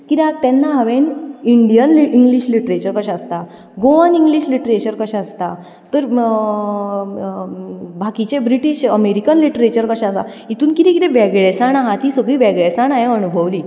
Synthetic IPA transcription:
kit̪at̪ɛnːaɦaʋeniɳɖijənliiŋɡliɕliʈɾet͡ɕəɾkəɕaəst̪a | ɡoʋaniŋɡliɕliʈɾet͡ɕəɾkəɕaəst̪a | t̪əɾ | bʱakit͡ɕebɾiʈiɕəmeɾikənliʈɾet͡ɕəɾkəɕaəsa̰ | it̪uːnkit̪ɛ̃kit̪ẽbɛɡɭɛsaɳaɦãt̪isəɡɭiːbɛɡɭɛsaɳaɦeənubʱəʋliː

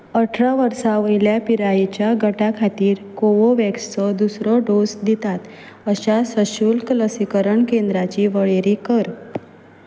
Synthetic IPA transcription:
əʈʰɾaʋəɾsaʋəjljapiɾajet͡ɕjaɡəʈakʰat̪iːɾkoʋoʋɛkst͡sɔd̪usɾɔɖosd̪it̪at̪ | əɕasəɕulkələsikəɾəɳkend̪ɾat͡ɕiʋəɭeɾikəɾ

